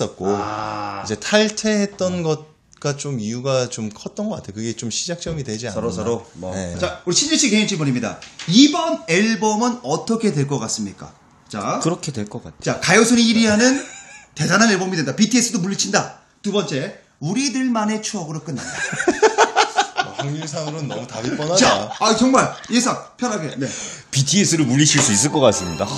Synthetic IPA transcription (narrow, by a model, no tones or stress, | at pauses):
s͈ʌt̚k͈o | id͡ʑe̞tʰaɭtʰe̞ɦet̚t͈ʌnɡʌt̚ | k͈at͡ɕomijuɡat͡ɕomkʰʌt̚t͈ʌnɡʌk͈atʰejokɯɡe̞t͡ɕomɕʰid͡ʑak̚t͡ɕ͈ʌmidwe̞d͡ʑiaʌɾosɾonet͡ɕauɾiɕʰind͡ʑiɕ͈ʰikeint͡ɕʰipʌɲimɲida̰ibʌneɭbʌmɯnʌt͈ʰʌkʰe̞dwe̞ɭk͈ʌk͈as͈ɯmɲik͈a̰ | t͡ɕakɯɾʌkʰedweɭk͈ʌk͈a̰tʰt͡ɕakajosʰoniːɾiɦanɯnte̞dananeɭbomidwendapitʰie̞s͈ʰɯdomuʎːit͡ɕʰinda | tubʌnt͡ɕ͈e̞ | uɾidɯɭmane̞t͡ɕʰuʌɡɯɾok͈ɯnːanda | haŋis̬ʰaŋɯɾɯnːʌmutabip͈ʌnat͡ɕaaat͡ɕʌŋmaɭjesʰaŋpʰjʌnɦaɡe̞ne̞ | pitʰies͈ɯɾomuʎːit͡ɕʰiɭs͈uis̬͈ɯɭk͈ʌk͈as͈ɯmɲida